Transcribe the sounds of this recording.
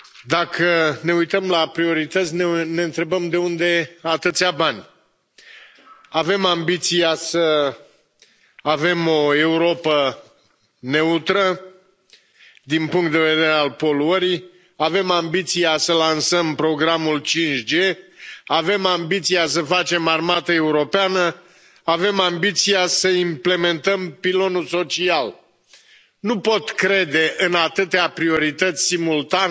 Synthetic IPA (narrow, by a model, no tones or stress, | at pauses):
d̪akʰəne̞ujt̪əmlapɾio̞ɾit̪ət̪sʲnene̞ɨnt̪ɾe̞bəmd̪e̞und̪e̞at̪ɨt̪sʲabanʲ | ave̞mambit̪sijasə | ave̞mo̞e̞uɾo̞pə | ne̞ut̪ɾə | d̪inpuŋkt̪d̪e̞ve̞d̪e̞ɾealpo̞luəɾij | ave̞mambit̪siasəlansəmpɾo̞ɡɾamult͡ʃint͡ʃʲd͡ʒe̞ave̞mambit̪siasəfat͡ʃe̞marmat̪əe̞uɾo̞peanə | ave̞mambit̪sijasəimple̞me̞nt̪əmpilo̞nulso̞t͡ʃial | nupo̞t̪kɾe̞d̪e̞ʔɨnat̪ɨt̪eapɾio̞ɾit̪ət̪sʲsimult̪an